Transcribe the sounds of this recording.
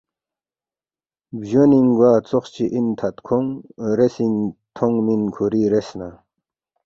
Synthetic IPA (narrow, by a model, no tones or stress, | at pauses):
bʑoniŋɡwaːt͡soχt͡ɕiʔint̪ʰat̪kʰoŋɾesiŋt̪ʰoŋminkʰoɾiɾesna